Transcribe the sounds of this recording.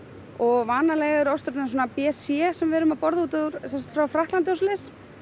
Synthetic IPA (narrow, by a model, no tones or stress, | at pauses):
ɔɣvaːnalɛɣɪɾɔwst̪ʏɾt̪as̬wɔnapɛsjɛsɛmvɛɾʏmapɔɾðuːt̪aðuɾ̥sɛsḁt̪fɾawfɾaht̪lant̪ɔslɪs